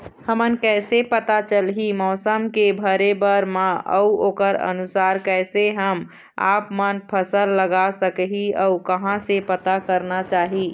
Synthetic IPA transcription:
həmənkɛɪsepət̪at͡ʃəlɦimɔːsəmkebʱəɾebəɾmãə̰uokəɾə̰nusaɾkɛɪseɦəm | a̰pmənpʰəsəlːəɡasəkɦiəukəɦãsepət̪akəɾnat͡ʃaɦi

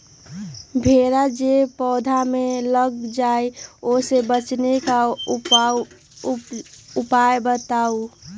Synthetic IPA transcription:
bʱeɾad͡ʒepɔːd̪ʱameləɡ̚d͡ʒaeosebət͡ʃneka | upaebət̪au

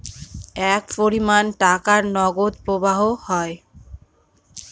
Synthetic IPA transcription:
ɛkpoɾimanʈakaɾnɔɡod̪̚pɾobaɦohɔe

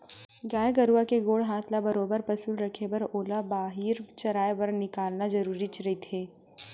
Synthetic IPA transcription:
ɡaːjɡɐɾuakeɡoːɽɦaːt̪ʰlabɐɾoːbəɾpɐsuːlɾɐkʰepɐɾoːlabaːɦiːɾt͡ʃɐɾaːebɐɾnɪkaːlnazɐɾuːɾit͡ʃɾɐɦit̪ʰeː

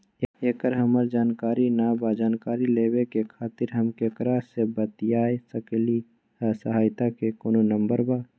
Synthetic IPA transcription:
eːkəɾɦəməɾd͡ʒaːnkaːɾinabad͡ʒaːnkaːɾileːwekekʰaːt̪ɪɾɦəmkekɾasebət̪ijaːesəkli | səɦaːjt̪akekoːnonə̃mbəɾbaː

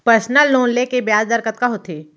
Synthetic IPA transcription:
pəɾsnəlːoːnlekebjaːd͡ʒd̪əɾkət̪̚kaɦot̪ʰeː

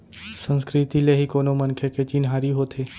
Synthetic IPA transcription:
sə̃nskɾit̪ileɦikoːnomənkʰeket͡ʃinɦaːɾiɦoːt̪ʰeː

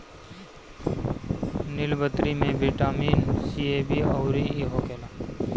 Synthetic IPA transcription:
nɪlbət̪ɾimẽbʱiʈaːmiːnsiːeːbiːəʊɾiiɦoːkeːlaː

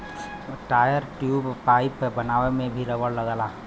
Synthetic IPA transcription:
ʈaːjəɾʈjuːbpaːɪpəbənaːʋemẽbʱiɾəʋəɽləɡalaː

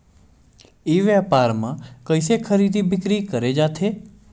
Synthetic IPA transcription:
eʋjapaɾmãkəjsekʰəɾid̪ibʱɪkɾikəɾed͡ʒat̪ʰe

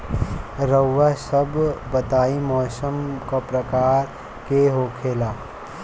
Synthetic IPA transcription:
ɾəwːasɐbːɐt̪aːimɔːsəmkapɾɐkaːɾ | keɦoːkʰeːlaː

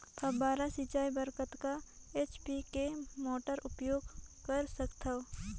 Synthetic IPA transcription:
pʰɐbaːɾasit͡ʃaːibəɾkət̪ka | eːt͡ʃpikemoːʈəɾʊpjoːɡkəɾsəkt̪ʰaw

